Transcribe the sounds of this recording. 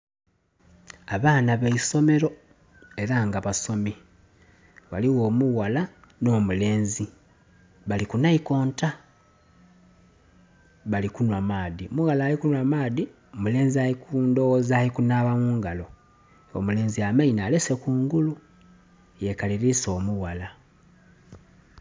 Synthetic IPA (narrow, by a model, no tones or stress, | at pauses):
aβaːnaβeiso̞me̞ɾo̞ | e̞ɾaŋɡaβaso̞mi | waliwo̞ːmuɣala | no̞ːmule̞ːnzi | βalikunaiko̞ːnta | βalikunwamaːðiomuɣalaːlikunwamaːði | omule̞ːnziaikundozalikunaːβamuːŋɡalo̞ | o̰mule̞ːnziamainale̞se̞kuːŋɡulu | je̞kaliɾiso̞ːmuɣala